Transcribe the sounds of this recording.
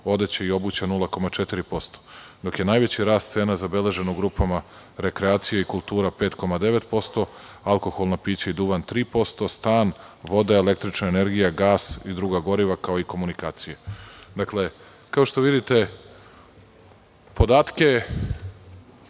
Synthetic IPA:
o̞d̪et͡ɕeio̞but͡ɕanulˠako̞mat͡ʃet̪iɾipo̞st̪o̥d̪o̞kje̞naːjʋe̞t͡ɕiɾaːst̪se̞ːnazabe̞le̞ʒe̞nouɡɾupʰama | ɾe̞kɾeaːt̪sijeikulˠt̪uːɾape̞ːt̪ko̞mad̪e̞ʋet̪po̞st̪o̞ | alˠko̞xolˠnapiːt͡ɕaid̪uʋant̪ɾiːpo̞st̪o̞st̪aːnʋo̞d̪ae̞le̞k̚t̪ɾit͡ʃnaene̞ɾɡijaɡaːsid̪ɾuːɡaɡo̞ɾiʋakao̞iko̞munikaːt̪sijed̪akle̞ | kao̞ʃt̪o̞ʋid̪it̪e̞ | po̞d̪aːt̪ke̞

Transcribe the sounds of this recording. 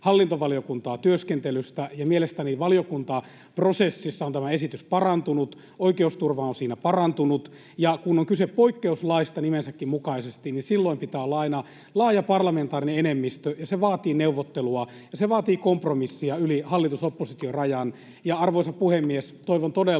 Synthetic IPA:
hɑlːint̪oʋɑlijokunt̪ɑːt̪yøskent̪elyst̪æjɑmielest̪æniʋɑlijokunt̪ɑ | prosesːisːɑont̪æmæesit̪yspɑrɑnt̪unut̪ | oikeust̪urʋɑonsiːnæpɑrɑnt̪unut̪ | jɑkunoŋkyseppoikːeuslɑist̪ɑnimensækːimmukɑisest̪ininsilːoimpit̪æːolːɑɑinɑ | lɑːjɑpɑrlɑment̪ɑːrineenemːist̪øjɑseʋɑːt̪iːneuʋːot̪ːeluɑ | jɑseʋɑːt̪iːkompromisːiɑylihɑlːit̪usopːosit̪iorɑjɑn | jɑɑrʋoisɑppuhemːiest̪oiʋont̪ode

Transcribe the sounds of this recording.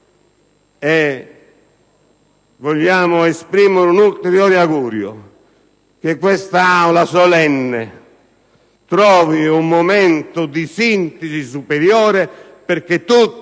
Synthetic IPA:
ɛ | voʎːaːmʊespɾiːmʊɾunult̪eɾjɔːɾiaɣuːɾjʊ̰ | k̟ekwɛst̪aawlasɔlɛnːɛ | t̪ɾɔːviumːomɛnt̪ʊd̪isint̪ɪsis̬upeɾjɔːɾɛ | peɾk̟et̪ːu

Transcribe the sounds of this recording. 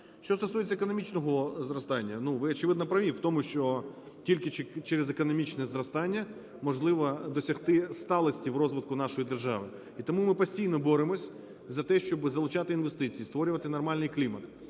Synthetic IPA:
ʃt͡ʃɔst̪ɔsujet͡sʲːɐekɔnɔmʲit͡ʃnɔɦɔzrɔst̪ɑnʲːɐnuʋɪɔt͡ʃɪʋɪd̪nɐpɾɐʋʲiwt̪ɔmʊʃt͡ʃɔ | tʲilʲkɪt͡ʃeɾezekɔnɔmʲit͡ʃnɛzrɔst̪ɑnʲːɐ | mɔʒlˠɪʋɐd̪ɔsʲɐxt̪ɪst̪ɑlˠɐsʲtʲiwrɔzʋɪt̪̚kʊnɑʃɔjid̪erʒɑ̰ʋɪ | it̪ɔmumɪpɔsʲtʲijnɔbɔɾɪmɔsʲ | zɐt̪ɛʃt͡ʃɔbɪzɐlˠʊt͡ʃat̪ɪinʋest̪ɪt͡sʲijist̪ʋɔɾʲʊʋɐt̪ɪnɐrmɑlʲnɪjklʲimɐt̪

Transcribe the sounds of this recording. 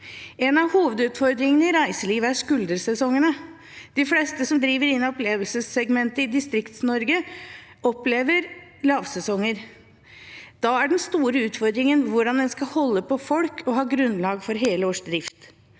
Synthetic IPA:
ɛnɑʋhuːʋəd̪ʉːt̪fɔɾd̪ɾɪŋənəɪɾæɪsəliːʋəæɾʂkʉld̪əɾsɛsɔŋːənə | d̪̥ɪflɛːst̪əsɔmd̪ɾiːʋəɾɪnːɑɔpleːʋəlsəsɛɡmɛnt̪əɪd̪ɪst̪ɾɪkt̪snɔɾɡə | ɔpleːʋəɾlɑːʋsɛsɔŋːəɾ | d̪̥ɑæɖɛnst̪uːɾəʉːt̪fɔɾd̪ɾɪŋənʋʊɖɑnd̪ɛnskɑhɔlːəpʰɔfɔlkʰɔɦɑːɡɾʉnlɑːɡfɔɾɦeːləoːʂd̪ɾɪft̪

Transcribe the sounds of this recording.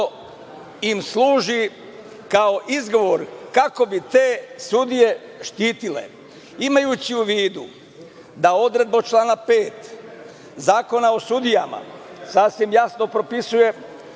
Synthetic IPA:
imslˠuːʒi | kao̞ʔizɡo̞ʋoɾkako̞bit̪e̞ːsud̪ije̞ʃt̪iːt̪ilḛ | imajut͡ɕiuʋiːd̪u | d̪ao̞d̪ɾe̞d̪̚bot͡ʃlˠaːnape̞ːt̪ | zaːko̞nao̞sud̪ijama̰sasʋimjasno̞pɾo̞pisuje̞

